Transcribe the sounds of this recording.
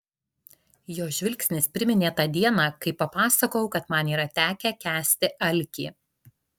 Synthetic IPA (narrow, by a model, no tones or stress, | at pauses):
joːʒʲʋʲɪlʲksʲnʲɪspʲɾʲɪmʲɪnʲeːt̪ɐd̪ʲiɛnɑːkɐɪpɐpɑːsɐkɐʊkɐt̪mɑniːɾɐt̪ʲæːkʲɛkʲæːsʲt̪ʲɪʔɐlʲkʲḭː